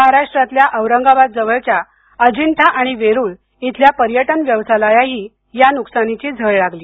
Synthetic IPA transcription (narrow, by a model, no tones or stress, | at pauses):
məɦaɾaʂʈɾat̪ljaʔəʋɾəŋɡabad̪̚d͡zəʋəɭt͡ɕja | əd͡ʑint̪ʰaʔaɽ̃iʋeɾuːɭ | it̪ljapəɾjəʈənʋjəʋsalajaɦiː | januksanit͡ɕiːd͡zʱəɭɭaɡliː